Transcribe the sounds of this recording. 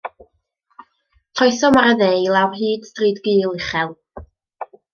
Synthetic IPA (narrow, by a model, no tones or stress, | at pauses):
t͡ɬʰɔjθɔmaɾəðelˠawɦiːd̥sriːdɡiːlˠɪχɛlˠ